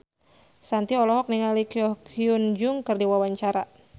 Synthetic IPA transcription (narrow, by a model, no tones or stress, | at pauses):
sant̪iɔlɔɦɔk̚niŋalikiɔkʰiund͡ʒʊŋkɨrdiwawaɲt͡ʃaɾa